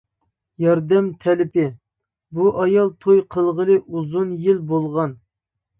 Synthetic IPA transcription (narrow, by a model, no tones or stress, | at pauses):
jɑɾd̪ɛmt̪ʰɛlɪpɪ | buʔɑjɑlˠt̪ʰojqʰəlˠʁəlˠɨʔuzunjilbolˠʁɑn